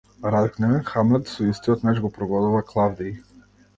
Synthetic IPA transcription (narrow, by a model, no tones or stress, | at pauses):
ɾad̪knɛxamlɛt̪sɔist̪iɔt̪naʃɡɔpɾɔɡɔd̪uvaklˠavd̪ij